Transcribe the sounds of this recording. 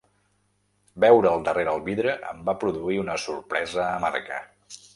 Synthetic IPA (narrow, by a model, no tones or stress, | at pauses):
bɛwɾəːlˠd̪əreɾəlˠβiðɾəʔə̰mbapɾuðuiunəsurpɾɛzəːma̰rkə̰